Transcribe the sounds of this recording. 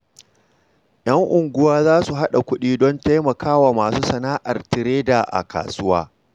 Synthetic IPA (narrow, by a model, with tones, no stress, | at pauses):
j̰ɐ˦ŋʔʊ˨ŋɡʷʊ˦waː˦zaː˦su˨ɦa˦ɗa˨kʷʊ˦ɗiː˦dɔ˦nta˦jmɐ˨kaː˦waː˨maː˨suː˦sɐ˨naː˦ʔa˨rtɪ˨ɾeː˦da˨ʔa̰˨ka̰ː˨sʊ˦waː˦